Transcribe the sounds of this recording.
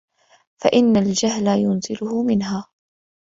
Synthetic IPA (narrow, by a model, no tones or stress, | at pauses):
faʔɪnːald͡ʒaɦlajʊnzɪlʊhʊmɪnɦaː